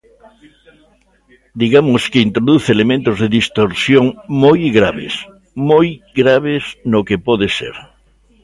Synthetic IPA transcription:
d̪iɣamoskeint̪ɾoðuθelemẽnt̪ozðeðist̪oɾsjoŋmojɣɾaβḛs | mojɡɾaβeznokepoðesḛɾ

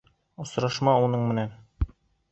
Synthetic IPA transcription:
ŏsɾɑʃmɑunɤɴmɘ̆næn

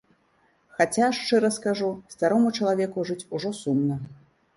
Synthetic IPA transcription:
xat͡sʲaʂt͡ʂɛɾɐskaʐust̪aɾɔmut͡ʂɐlˠavʲɛkuʐɨt͡sʲuʐɔsumnɐ

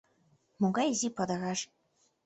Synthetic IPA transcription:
moɡɑjzʲipɑd̪ɑ̆ɣɑʃ

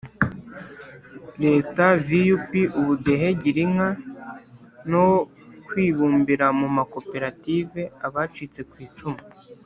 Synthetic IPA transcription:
ɾe̞ːtavijupiʔuβudeɦe̞ɟiɾiŋa | now | kwiːβuːmbiɾamumako̞pe̞ɾative̞aβaːt͡ʃit͡se̞kwiːt͡ʃuma

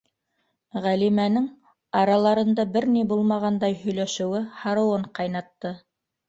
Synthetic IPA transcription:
ʁælimænɘŋ | ɑɾɑlˠɑɾɤ̆nd̪ɑbɘɾnibulˠmɑʁɑnd̪ɑjhɵ̆jlæʃɘ̆wɘhɑɾɤ̆wɤɴqɑjnɑt̪ːɤ

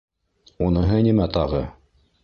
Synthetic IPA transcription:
unɤ̆ɦɤnimæt̪ɑʁɤ

